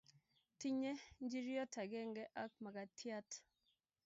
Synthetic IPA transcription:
ti˦ɲe˦ɲd͡ʒi˦ɾjɔ˦ta˨ɡɛ˦ŋɡɛ˦ʔa˦k̚ma˨ɡa˨tʰja˦t

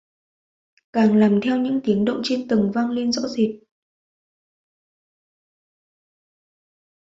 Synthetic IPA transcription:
kaː˨˩ŋlaː˨˩mt̪ʰɛ˧wɲɨ̰˧˥ŋt̪i˨˦əŋɗə̰˧˨wŋ͡mt͡ɕe˧nt̪ɨ˨˩ŋva˧ŋle˧nzɔ̰˧˥zi˨˩t̚

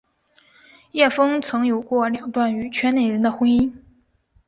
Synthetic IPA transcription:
jɛ˥˩fɤ˥ŋt͡sʰɤ˧˥ŋjo˨˩ʊkwɔ˥˩ljɑ˨˩ŋt̪wa˥˩ny˨˩t͡ɕʰɥɛ˥nne˨˩ɻə˧˥nd̪ə˧xwə˥ni˥n

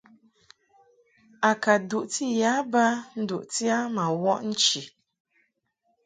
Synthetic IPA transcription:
a˨ka˨du˨ʔti˦˨ja˨˦ba˦n̩˦du˨ʔti˦a˦ma˨wɔ˦ʔn̩˦t͡ʃi˨

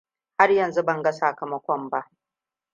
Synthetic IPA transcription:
ha˦rjɐ˨nzu˦bɐ˨ŋɡa˦saː˨kɐ˨mɐ˦kʷɔ˦mba˦ʔ

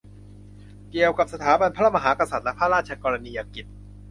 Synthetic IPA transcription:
ki˨˩əwka˨˩p̚sa˧t̪ʰaː˩˦ba˧npʰa˦ɾa˥˩ma˧ɦaː˩˦ka˧sa˨˩t̪̚lɛ˦˥pʰaː˥˩ɾaː˥˩t͡ɕʰa˧kɔː˧ɾa˧niː˧ʔaː˨˧˩ki˨˩t̪̚

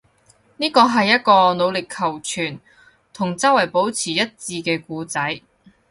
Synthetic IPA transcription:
niː˥kɔː˧ɦɐ˨jːɐ˥t̚kɔː˧no˨˧wlɪ˨kʰːɐ˨˩wt͡ʃʰyː˨˩n | t̪ʰʊ˨˩ŋt͡sɐ˥wɐ˨˩jpo˨˥wt͡sʰiː˨˩jɐ˥t̚t͡siː˧kɛː˧kuː˧t͡sɐ˨˥j

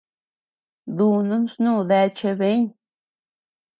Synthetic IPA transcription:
d̪u˧nu˦nsnu˦d̪ɛ˧t͡ʃe˧be˦ɲ

